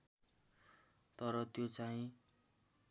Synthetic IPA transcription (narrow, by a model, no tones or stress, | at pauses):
t̪ʌɾʌt̪jot͡saĩ